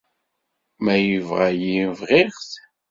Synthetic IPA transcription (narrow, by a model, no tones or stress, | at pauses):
mæjivʁæjivʁiʁθ